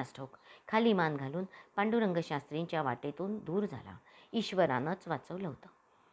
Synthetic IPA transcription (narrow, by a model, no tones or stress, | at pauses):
asʈʰokkʰaliːmanɡʱaluːnpaɳɖuɾəŋɡʱəɕast̪ɾĩɲt͡ɕjaʋaʈet̪uːnd̪uːɾd͡zʱa̰la̰iɕʋəɾa̰nət͡sʋat͡səʋləʋt̪ə